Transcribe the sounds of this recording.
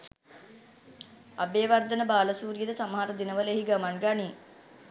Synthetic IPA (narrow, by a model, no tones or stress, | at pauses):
abeːʋard̪ənəbaːləsuːɾijəd̪əsaməɦaɾəd̪inəʋəleɦiɡamanɡani